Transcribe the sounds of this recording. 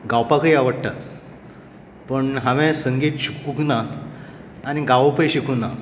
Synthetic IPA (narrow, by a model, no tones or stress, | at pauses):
ɡawpakəiaʋəɽt̪a | pəɳɦaʋẽsəŋɡiːt̪ɕikːuknaː | ɽ̃iɡaʋəpəjɕikuna